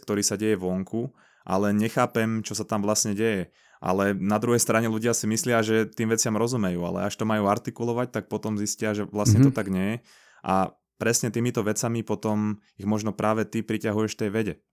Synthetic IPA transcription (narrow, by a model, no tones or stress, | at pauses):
kt̪ɔɾiːsaɟɛjɛʋɔŋkʰu | ʔa̰lɛɲɛxaːpɛmt͡ʃɔsat̪amʋlasɲɛɟɛjɛ | ʔa̰lɛnad̪ɾuɦɛjst̪ɾaɲɛluɟɪasimislɪaʒɛt̪iːmʋɛt͡sɪamɾɔzumɛjuːa̰lɛ̰aʃt̪ɔmajuːaɾt̪ikulɔʋac̚t̪ak̚pɔt̪ɔmziscɪaʒɛʋlasɲɛt̪ɔt̪aɡɲɛjɛ | ʔa̰ | pɾɛsɲɛt̪iːmit̪ɔʋɛt͡samipɔt̪ɔm | iɣmɔʒnɔpɾʔaːʋɛt̪ipɾicaɦujɛʃft̪ɛjʋɛɟɛ